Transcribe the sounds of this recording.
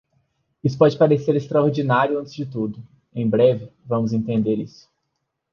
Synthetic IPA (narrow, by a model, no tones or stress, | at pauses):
isʊ̥pɔd͡ʒɪpaɾeseɾest̪ɾaoɾd͡ʒinaɾjʊɐ̃nt͡ʃ̪ɪzd͡ʒɪt̪ud̪ʊ | ẽj̃bɾɛvɪvɐ̃mʊzẽnt̪ẽnd̪eɾḭsʊ̥